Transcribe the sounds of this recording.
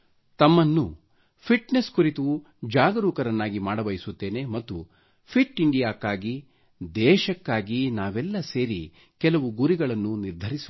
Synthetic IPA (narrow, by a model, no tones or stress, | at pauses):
t̪ɐmːɐnːṵ | pʰiʈneskuɾit̪ɐʋu | d͡ʒaːɡɐɾuːkɐɾɐnːaːɡimaːɽɐbɐjisut̪ːe̞ːne̞mɐt̪ːu | pʰiʈːiɳɖijaːkːaːɡi | d̪ɛːʃɐkːaːɡinaːʋɛlːɐseːɾi | kɛlɐʋuɡuɾiɡɐɭɐnːuniɾd̪ʱɐɾis